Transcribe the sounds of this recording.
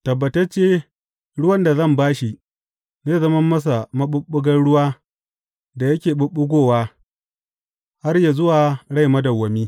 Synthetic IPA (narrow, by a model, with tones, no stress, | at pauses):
tɐ˨bːɐ˨tɐ˦rt͡ʃeː˦ | ɽʊ˦wɐ˦nda˨zɐ˦˨mbaː˦ʃi˨ | neː˦zɐ˦mɐ˦mːɐ˦s̬a˨mɐ˦ɓʊ˦ɓʊ˦ɡɐ˦nɽʊ˦waː˦ | da˨jɐ˦kʲeː˨ɓʊ˦ɓʊ˦ɡʷoː˦˨waː˦ | ha˦rja˨zʊ˦waː˨ɽa˦˨jmɐ˦dɐ˨wɐ˨miː˦